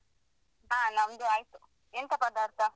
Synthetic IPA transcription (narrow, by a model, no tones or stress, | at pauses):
aːnɐmd̪uaːjt̪u | ent̪ɐpɐd̪aːɾt̪ʰɐ